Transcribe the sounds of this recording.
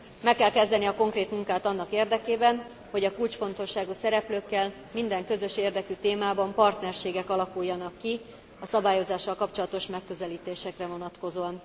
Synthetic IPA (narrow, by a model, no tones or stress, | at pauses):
mɛkːɛlkɛzd̪ɛniɒko̞ŋkreːt̪muŋkaːt̪ɒnːɒkeːrd̪ɛkeːbɛn | ho̞ɟɒkuːlt͡ʃfo̞nt̪o̞ʃːaːɡusɛɾɛpløːkːɛl | mind̪ɛŋkø̞zø̞ʃeːrd̪ɛkyt̪eːmaːbɒmpɒrt̪nɛrʃeːɡɛkɒlɒkujːɒnɒkːi | ɒsɒbaːjo̞zaːʃːɒlkɒpt͡ʃo̞lɒt̪o̞ʃmɛkːøzɛliːt̪eːʃɛkrɛvo̞nɒt̪ko̞zoːɒn